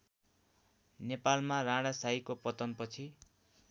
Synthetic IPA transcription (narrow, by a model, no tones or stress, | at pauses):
nepalmarãɽasajkopʌt̪ʌnpʌt͡sʰi